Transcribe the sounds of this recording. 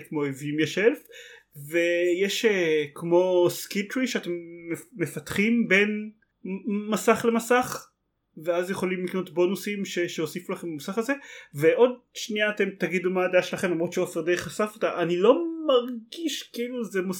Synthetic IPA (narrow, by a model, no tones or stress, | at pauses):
kmoevimjeʃelf | vejeʃekmo̞skitʁiʃeatemːeːefatχimbe̞n | masaχle̞masaχ | veazjeχo̞limlikno̞tbo̞nusimʃeʃeosifulaχe̞mbamasaχazeveʔo̞d̚ʃniaːte̞mt̪aɡid̪umaːdeaʃelaχemlamʁot̪ʃeofeʁd̪eeχasafot̪aʔanilo̞maʁɡiʃkiiluzema